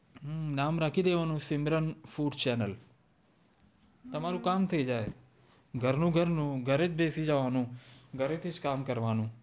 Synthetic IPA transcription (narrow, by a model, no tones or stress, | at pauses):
naːmɾaːkʰid̪eːʋaːnũsɪmɾənfuːɖt͡ʃɛːnəl | t̪ɐmaːɾũkaːmt̪ʰəd͡ʒaːe | ɡʱəɾnũːɡʱəɾnũːɡʱəɾet͡ʃbeːsid͡ʒəʋaːnũːɡʱəɾet̪ʰit͡ʃkaːmkəɾʋaːnũː